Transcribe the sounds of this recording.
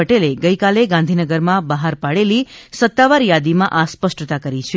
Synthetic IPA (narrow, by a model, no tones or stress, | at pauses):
əʈeleɡəjkaleɡãnd̪ʱinəɡəɾmãbəɦaɾpaɽelisət̪ːaʋaɾjad̪imãʔaspəsʈət̪akəɾit͡ʃʰe